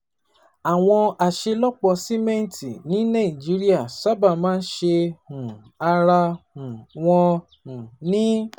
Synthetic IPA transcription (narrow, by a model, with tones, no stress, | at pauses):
a˨w̃ɔ̃˧a˨ʃe˧lɔ˦k͡pɔ˧si˦mɛ̃˦n˨ti˨nĩ˨˦nã˦˨i˨d͡ʒi˨˦ɾi˦a˦˨sa˦ba˦˨mãː˦n̩˦ʃe˧hũ˨ | a˧ɾa˧hũ˨w̃ɔ̃˧ | hũ˨nĩ˦